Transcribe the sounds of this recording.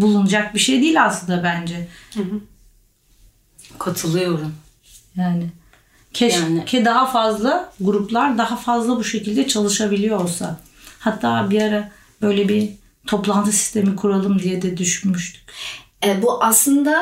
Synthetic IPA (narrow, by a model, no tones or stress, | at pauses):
bulˠunud͡ʒak̚biʃejd̪iːlʲaslˠɯnd̪abænd͡ʒɛ | kʰat̪ʰɯlˠɯjo̞ɾum | jaːnɪ | cʰɛʃcʰɛd̪aɦafazlˠaɡuɾuplˠaɾd̪aɦafazlˠabuʃe̞cilʲd̪ɛt͡ʃʰalˠɯʃabilʲijoolˠsa̰ | hat̪ʰːaːbiaɾa | b̥øjlʲɛbi | t̪ʰo̞plˠant̪ʰɯsi̥st̪ʰe̞mikʰuɾalˠɯmd̪ijɛd̪ɛd̪yʃynmyʃt̪ʰy̥c | ɛbuʔaslˠɯnd̪a